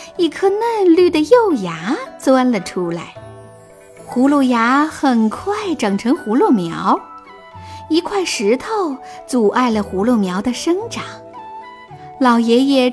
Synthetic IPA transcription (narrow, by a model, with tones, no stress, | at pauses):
i˥˩kʰɤ˥˧nə˥˧nly˥˩d̪ə˩jo˥˩ʊja˧˥t͡swa˥nlə˨ʈ͡ʂʰu˥la˧˩ɪ | xu˧˥lu˥˩ja˧˥xə˨˩nkʰwa˥˩ɪʈ͡ʂɑ˨˩ŋʈ͡ʂʰɤ˧˥ŋxu˧˥lwɔ˥˩mjɑ˧˥ʊ | i˧˥kʰwa˥˩ɪʂɻ̩˧˥t̪ʰo˥˩ʊ | t͡su˨˩ʔa˥˩ɪlə˩xu˧˥lɔ˥˩mjɑ˧˥ʊd̪ə˧ʂə˥ŋʈ͡ʂɑ˨˩˦ŋ | lɑ˨˩ʊjɛ˧˥jɛ˨˩